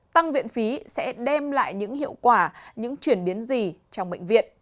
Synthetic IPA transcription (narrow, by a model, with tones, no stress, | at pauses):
t̪a˧ŋvḭ˧˨ənfi˨˦sɛ̰˧˥ɗɛ˧mla̰ː˧˨jɲɨ̰˧˥ŋhḭ˧˨əwkwaː˧˩ɲɨ̰˧˥ŋt͡ɕwi˧˩ənɓi˨˦ənzi˨˩t͡ɕɔ˧wŋ͡mɓḛ˧˨ŋ̟vḭ˧˨ənʔ